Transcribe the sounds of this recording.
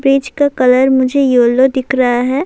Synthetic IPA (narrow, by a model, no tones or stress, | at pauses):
bɾiːd͡ʒkakɐləɾmʊd͡ʒʱejoːlod̪ɪkʰɾɐɦaɦɛː